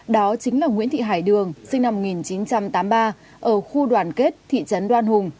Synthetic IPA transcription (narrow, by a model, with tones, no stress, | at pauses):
ɗɔ˨˦t͡ɕï˨˦ŋ̟laː˨˩ŋḭ˧˥ənt̪ʰḭ˧˨ɦaː˧˩jɗɨ˨˩əŋsï˧ŋ̟na˧mːo˩ŋi˨˩nt͡ɕi˨˦nt͡ɕa˧mt̪aː˨˦mɓaː˧ | ʔəː˧˩xu˧ɗwaː˨˩nke˦˥t̚t̪ʰḭ˧˨t͡ɕə˨˦nɗwaː˧nhʊ˨˩ŋ͡m